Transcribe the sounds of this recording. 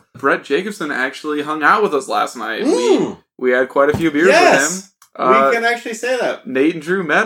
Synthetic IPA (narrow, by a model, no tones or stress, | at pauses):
b̥ɹɛt̚d̥ʒ̥eɪkɨb̥sɨ̃næk̚t͡ʃʉl̩ˠiɦʌ̃ŋaʊt̚wəðʌslæ̰snaɪt̚wi | wiɨd̚kʰw̥aɪɾɨfjʉbɪɹzɛɨɪ̃m | ʔʌiɨ̃næk̚t͡ʃʉl̩ˠiseɪðæt̚neɪʔn̩dɹʉmɛɾ